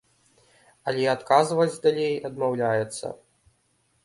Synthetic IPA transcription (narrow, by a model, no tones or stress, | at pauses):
ɐlʲɛat̪kazvɐd͡zʲd̪alʲejɐd̪mawlʲajɛt̪sːɐ̰